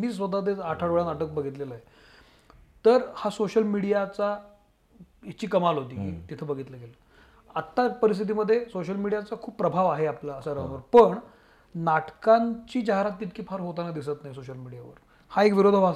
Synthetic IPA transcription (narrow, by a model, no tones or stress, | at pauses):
miːs̬ʋət̪̬at̪̬eaʈʰaɽʋəɭanaʈək̚bəɡʱit̪leləaje | t̪əɾhasoɕəlmiɽijat͡sa | it͡ɕiːkəmalɦot̪iːkḭːt̪it̪ʰebəɡʱit̪leɡelə | at̪ːapəɾist̪ʰit̪̬iməd̪ʱːjesoɕəlmiɽijat͡sakʰuːppɾəbʱaʋaɦeaplaəsaɾəɦənʋəɾpəɳ | naʈkãɲt͡ɕiːd͡ʑaɦɾat̪ːit̪̚kʰiːfʰaɾɦot̪anad̪isət̪najsoɕəlmiɽijaʋə̰ɾ | haekʋiɾod̪ʱəbʱas